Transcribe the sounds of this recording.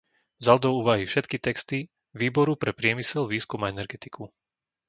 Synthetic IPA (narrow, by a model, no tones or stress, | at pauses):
zald̪ɔuːʋaɦifʃɛt̪kit̪ɛkst̪i | ʋiːbɔɾupɾɛpɾɪɛmisɛlʋiːskumaɛnɛɾɡɛt̪ikʰu